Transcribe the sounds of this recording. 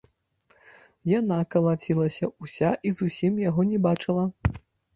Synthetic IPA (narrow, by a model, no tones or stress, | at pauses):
janakɐlˠat͡sʲilˠɐsʲɐusʲaʔizusʲimjaɣɔnʲɛbat͡ʂɨlˠɐ